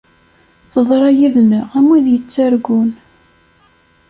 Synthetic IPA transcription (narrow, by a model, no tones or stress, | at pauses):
θəðˤɾˤɑjiðnəʁæmwiðjət͡sːaɾɡʊn